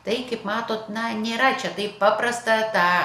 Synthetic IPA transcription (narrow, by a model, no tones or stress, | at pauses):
t̪ɐɪkɐɪpmɑːt̪oːt̪nɐnʲeːɾɐt͡ʃʲɛt̪ɐɪppɑːprɐst̪ɐt̪ɑː